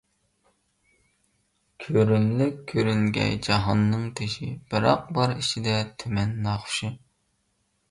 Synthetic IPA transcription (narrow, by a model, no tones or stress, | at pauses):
kʲʰøɾymlɪkʲʰːøɾyŋɡʲɛ̰jd͡ʒɑɦɑnːɨŋt̪ʰeʃib̥ɪɾɑq̚bɑɾit͡ʃʰid̪ɛt̪ʰymɛnːɑχʃɨ